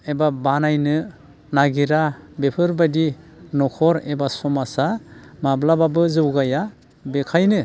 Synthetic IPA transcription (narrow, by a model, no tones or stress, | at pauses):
ebabanajnɯ | naɡiɾabepʰɯɾbadinɔkʰɔɾebasɔmasamablababɯzɯwɡaja | bekʰajnɯ